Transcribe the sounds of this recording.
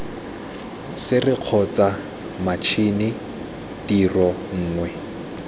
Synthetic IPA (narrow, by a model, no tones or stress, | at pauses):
sɪrɪq͡χʰɔt͡sʼa | mat͡ʃʰinɪ | tirɔ | ŋ̩ːŋwɛ